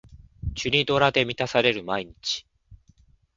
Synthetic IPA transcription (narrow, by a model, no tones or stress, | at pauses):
t͡ɕɨɾʲid̪o̞ɾad̪e̞mʲit̪asaɾe̞ɾɯ̟maiɲ̟it͡ɕi̥